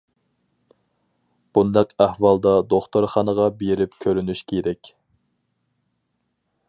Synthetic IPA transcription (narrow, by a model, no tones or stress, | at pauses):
b̥und̪ɛqæhwɑlˠd̪ɑd̪oχt̪oɾχɑnəʁɑbeɾɪpkʲʰøɾynyʃkʲʰeɾɛkʲ